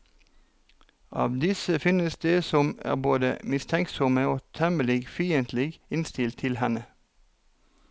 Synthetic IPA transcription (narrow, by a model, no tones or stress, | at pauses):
ʔɑ̰ːʋd̪ɪsəfɪnəsd̪eːsɔmæ̰ːʁboːd̪ə̰mɪst̪ʰɛŋksɔməoːt̪ʰɛməlɪɡfiːənt̪ʰlɪɡɪnst̪ɪlt̪ʰɪlhɛnə